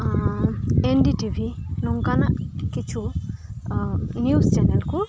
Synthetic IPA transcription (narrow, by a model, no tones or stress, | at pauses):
enɖiʈibʱinɔŋkanaʔkit͡ʃʰu | njust͡ʃɛnelku